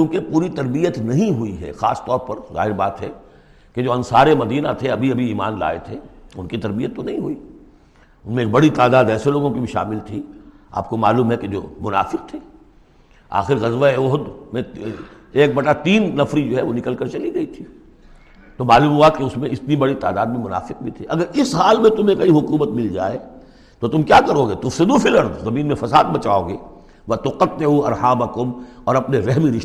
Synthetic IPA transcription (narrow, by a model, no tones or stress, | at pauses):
kũːkepuːɾit̪ɐɾbijət̪nɐɦĩɦʊiɦɛ̰xa̰ːst̪ɔːɾpɐɾza̰ːɦɪɾbaːt̪ɦɛ | ked͡ʒoːɐ̃nsaːɾemɐd̪iːnat̪ʰeɐbʱiɐbʱiiːma̰ːnla̰ːḛt̪ʰeʊnkit̪ɐɾbijət̪ːonɐɦĩɦuiː | ʊnmẽːk̚bɐɽit̪aːd̪aːd̪ɛːseloːɡõkibʱiʃa̰ːmɪlt̪ʰi | a̰ːp̚komaːluːmɦɛked͡ʒo̰ːmʊna̰ːfɪk̚t̪ʰeː | a̰ːxɪɾɣɐzʋabɔɦʊt̪mẽ | eːk̚bɐɽat̪iːnːɐfɾid͡ʒoːɦɛʋonɪkəlkəɾt͡ʃɐliɡɐit̪ʰi | t̪omaːluːmɦuakeʊsmẽɪt̪nibɐɽit̪aːd̪aːd̪̚mẽmʊna̰ːfɪq̚bʱit̪ʰiʔɐɡəɾɪsɦaːlmẽt̪ʊmẽkɐiɦʊkuːmət̪mɪld͡ʒa̰ːeː | t̪ot̪ʊmkjaːkɐɾoːɡet̪ʊfsɪd̪ufɪlɐɾd̪zɐmiːnmẽfɐsa̰ːd̪bɐt͡ʃaːoːɡeː | ʋɐt̪ʊqət̪̚ːeɦuɐ̰ɾhaːbakʊmɔːɾɐpneɾɛɦmiɾɪʃ